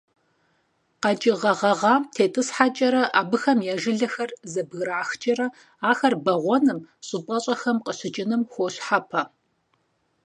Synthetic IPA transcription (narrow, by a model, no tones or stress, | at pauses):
qɑt͡ʃʼɪʁɐʁɐʁɑːtʰeːtʼɨsħat͡ʃʼɐɾɐʔaːbɨxɐmjaːʒɨɮɐxɐrzɐbɣɾaʕaxt͡ʃʼɐɾɐ | aːxɐrbɐʁʷɔnɨmɕʼɨpʼɐɕʼɐxɐmqʼəɕɪt͡ʃʼɪnɨmxʷoɕħapʰɐ